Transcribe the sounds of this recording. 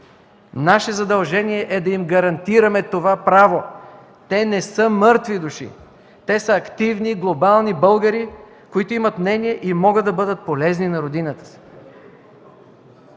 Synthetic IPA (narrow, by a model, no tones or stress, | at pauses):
naʃɛzɐd̪ɐlˠʒɛniɛʔɛd̪ɐimɡɐɾɐnt̪iɾɐmɛt̪ovapɾavo | t̪ɛnɛsɤmɤɾt̪vid̪uʃḭ | t̪ɛsəɐkt̪ivniɡlˠobalˠnibɤlˠɡəɾi | koit̪oimɐt̪mnɛniɛʔimɔɡəd̪ːɐbɤd̪ət̪̚polɛzninɐɾod̪inət̪ə̥s